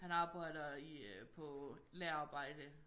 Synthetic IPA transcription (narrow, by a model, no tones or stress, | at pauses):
hænɑ̈ːb̥ɑ̈ɪ̰dɐipʰɔlæːɐɑ̈ːb̥ɑ̈ɪ̰d̥ə